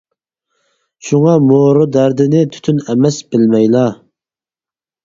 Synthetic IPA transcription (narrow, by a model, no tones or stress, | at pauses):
ʃuŋɑmoɾʊd̪æɾd̪ɪnɪt̪ʰy̥t̪ʰynɛmɛsbɪlmɛjlˠɑ